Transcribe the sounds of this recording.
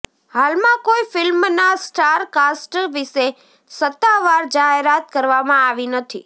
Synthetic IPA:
halmãkoifɪlmnasʈaɾkasʈʋɪʃe | sət̪ːaʋaɾd͡ʒaɦeɾat̪̚kəɾʋamãaʋinət̪ʰḭ

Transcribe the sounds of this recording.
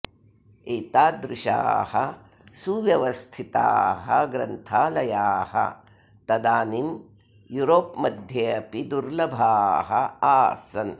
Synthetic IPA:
eːt̪aːd̪ɾɪʃa̰ːhɐ̰ | suʋjɐʋɐst̪ʰit̪a̰ːɦɐɡɾɐ̰nt̪ʰaːlɐjaːhɐ̰ | t̪ɐd̪aːnim | juɾoːpmɐd̪ʱjɐɐpid̪uɾlɐbʱaːɦɐaːsɐn

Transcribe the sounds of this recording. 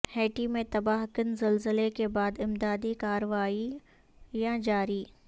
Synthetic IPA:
hɛːʈimẽt̪ɐbaːɦkənzɐlzəlekebaːd̪ɪmd̪aːd̪ikaːɾəʋaːi | jãd͡ʒaːɾiː

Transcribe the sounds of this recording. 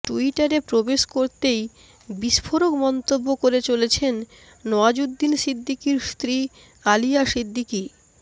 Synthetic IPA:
ʈuiʈaɾepɾobeʃkoɾt̪ej | biʃfʰoɾokmɔnt̪obːokoɾet͡ɕolet͡ɕʰenː | ɔad͡ʑudd̪ːinsid̪ʱːikiɾst̪ɾi | alijaʃid̪ʱːiki

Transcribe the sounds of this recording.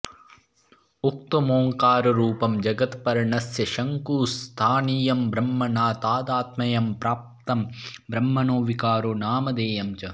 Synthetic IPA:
ukt̪umoːŋkaːɾɐɾuːpɐmd͡ʒɐɡɐt̪pɐɾɐɳɐsjɐʃɐŋkuːst̪ʰaːniːjɐmbɾɐmːɐnaːt̪aːd̪aːt̪mɐjɐmpɾaːp̚t̪ɐmbɾɐmːɐnoːʋikaːɾoːnaːmɐd̪eːjɐmt͡ʃɐ

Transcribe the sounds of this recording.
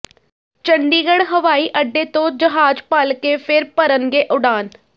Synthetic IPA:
t͡ʃəɳɖiːɡəɽɦəʋaːiːʔəɖːeːt̪õːd͡ʒəɦaːd͡ʒpəlkeːpʰɪɾpəɾənɡeːʔʊɽaːn

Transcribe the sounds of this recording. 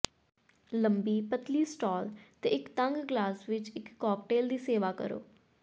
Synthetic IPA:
ləmbiːpət̪liːsʈɔːlt̪eːɪkt̪əŋɡɡlaːsʋɪt͡ʃɪkːɔːkʈeːld̪iːseːʋaːkə̰ɾo̰ː

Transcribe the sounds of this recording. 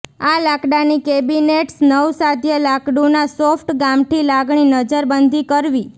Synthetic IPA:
alakɖanikebineʈsnəwsad̪ʱjəlakɖunasofʰʈɡamʈ̪ʰilaɡɳinəd͡ʒəɾbənd̪ʱikəɾʋi

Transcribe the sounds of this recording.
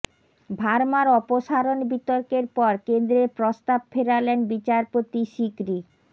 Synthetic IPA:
bʱaɾmaɾɔpoʃaɾonbit̪oɾkeɾpɔɾkend̪ɾeɾpɾost̪ab̚fʰeɾalenbit͡ɕaɾpot̪iʃikɾi

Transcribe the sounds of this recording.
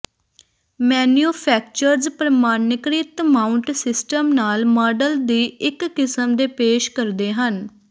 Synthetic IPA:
mɛːnjuːpʰɛːk̚t͡ʃəɾzpɾəmaːnɪkɾɪt̪maːʊɳʈsɪsʈəmnaːlmɔːɖəld̪iːɪkːɪsəmd̪eːpeːʃkəɾd̪eːɦən

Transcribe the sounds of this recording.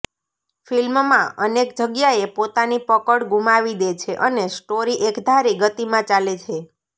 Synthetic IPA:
filmmãʔənekd͡ʒəɡjaepot̪anipəkəɽɡumaʋid̪et͡ʃʰeʔənesʈoɾiʔekd̪ʱaɾiɡət̪imãt͡ʃalet͡ʃʰe

